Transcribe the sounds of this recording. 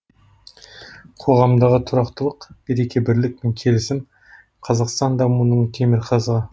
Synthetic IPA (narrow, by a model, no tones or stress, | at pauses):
qʰo̞ʁɑmd̪ɑʁət̪ʰʊɾɑqt̪əlˠəqb̥eɾe̞kʲʰe̞bɪɾlɪk̚pe̞ŋkʲʰe̞lɪsɪm | qʰɑzɑqst̪ɑnd̪ɑmunəɴt̪ʰe̞mɪɾqʰɑzʁɑ